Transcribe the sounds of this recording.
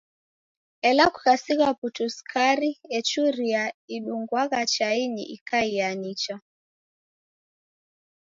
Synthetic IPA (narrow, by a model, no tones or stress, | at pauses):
ɛlakukasiɣwaputuskaɾiɛt͡ʃuɾiaiɗuŋɡwaɣat͡ʃainḭʔikaianit͡ʃa